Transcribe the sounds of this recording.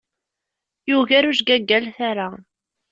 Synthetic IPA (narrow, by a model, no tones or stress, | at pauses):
juʝæɾuʃɡæɡːælθaɾa